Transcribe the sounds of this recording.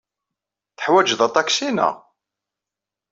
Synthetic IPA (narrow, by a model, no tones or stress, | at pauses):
θə̥ħwæd͡ʒðɑt̪ˤːɑksinæ̰